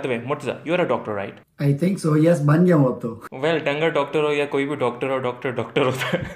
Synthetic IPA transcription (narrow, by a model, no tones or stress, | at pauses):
d̪əʋemʊʈza̰juaɾɐɖɔːk̚ʈəɾːa̰ɪʈ | ajt̪ʰɪ̃ŋksoːjɛsbɐ̃nd͡ʒãũɐp̚t̪oʋɛlɖɐ̃ŋɡəɖɔːk̚ʈəɾoːjakoːibʱiɖɔːk̚ʈəɾɔːɾɖɔːk̚ʈəɾɖɔːkʈəɾɔfe